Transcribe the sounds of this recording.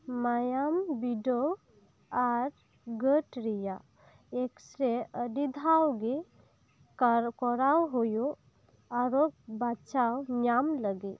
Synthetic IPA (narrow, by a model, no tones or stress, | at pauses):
majambiɖɔw | aɾ | ɡəʈɾija | eksɾeəɖid̪ʱawɡe | kɔɾawɦujo | aɾok̚bat͡ʃawnamləɡi